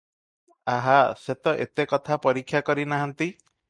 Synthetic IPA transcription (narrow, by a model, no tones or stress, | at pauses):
aɦaset̪ɔʔḛt̪ekɔt̪ʰapɔɾikʰːjakɔɾinaɦant̪i